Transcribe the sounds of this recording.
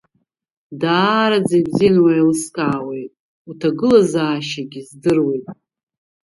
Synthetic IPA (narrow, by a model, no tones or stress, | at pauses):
daːɾad͡zajbzijanwajlɨskʼaːwe̞jtʼ | utʰaɡɨlazaːʃaɡʲizdɨrwe̞jtʼ